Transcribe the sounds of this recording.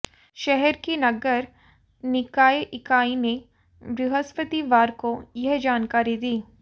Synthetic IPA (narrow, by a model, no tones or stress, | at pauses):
ʃɛɦɛɾkinɐɡəɾ | nɪkaːeʔɪkaːine | bɾɪɦəspət̪iʋaːɾkojɐɦd͡ʒaːnkaːɾid̪iː